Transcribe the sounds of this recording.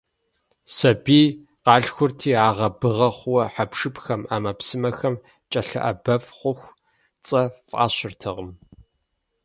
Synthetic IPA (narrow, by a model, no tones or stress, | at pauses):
sɐbiː | qɑːɬxʷʊrtʰiːaːʁɐbɨʁɐχʷwɐħapʂɨpxɐmaːmɐpsɨmɐxɐm | t͡ʃʼɐɬɐ̰ʔɐbɐfχʷʊxʷ | t͡sʼɐfʼʔa̰ːɕɪrtʰɨʁəm